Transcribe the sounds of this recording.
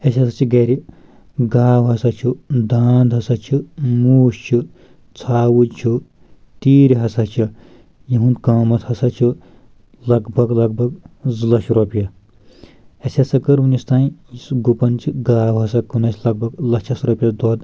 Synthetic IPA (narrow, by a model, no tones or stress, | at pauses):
ɐsʲɦɐsɐt͡ʃʰiɡɐɾi | ɡaːwɦɐsɐt͡ʃʰud̪aːnd̪ɦɐsɐt͡ʃʰimuːʃt͡ʃʰu | t͡sʰaːwut͡ʃʰu | t̪iːɾʲiɦɐsɐt͡ʃʰi | jiɦũnd̪kɐːmɐt̪hɐsɐt͡ʃʰi | lɐɡbʱɐɡlɐɡ̚bʱɐɡzlɐʃɾopjɐ | ɐsʲɐsɐkɐɾunist̪aːĩisɡupɐnt͡ʃʰiɡaːwɦɐsɐkunɐsʰʲlɐɡ̚bʱɐɡlɐkt͡ʃʰɐsɾɐpʲjɐd̪oːd̪